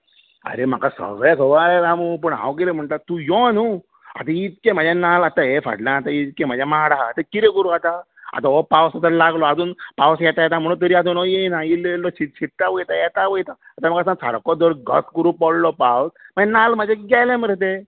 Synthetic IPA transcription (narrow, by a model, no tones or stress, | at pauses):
ə̰ɾem̤a̰kasə̰ɡɭakʰəʋaɾɛɾamup̬əɳɦã̰wk̬iɾem̤əɳʈ̪at̪ujɔnu | a̰t̪ait̪̚kẽm̤ad͡ʑanalat̪aefa̰ɽlãːt̪ait̪̚kẽm̤ad͡ʑʱjamaɽaːt̪akiɾekuɾuat̪a | a̰t̪aɔpawsət̪əɾlaɡlɔad͡z̪uːnpawsjɛt̪ajɛt̪am̤əɽũnt̪əɾiad̪uːnɔjenailːeilːɔsit̪t͡ɕiʈt̪aʋəjt̪ajɛt̪aʋəjt̪aːt̪amakasãŋt͡sʰa̰ɽkɔd̪ɔɾɡə̰skuɾũpɔɽlɔpawsm̤əenalməd͡ʑeɡalɛ̃məɾt̪̬e